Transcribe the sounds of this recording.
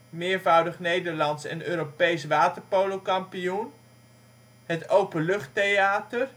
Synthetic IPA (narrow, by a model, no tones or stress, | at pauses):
mɪːɹvʌwdəχnejdəɹlɑntsɛ̰nøːɾopejsʋaːtəɹpowlokɑmpijun | ɦətowpəlɵχtejaːtər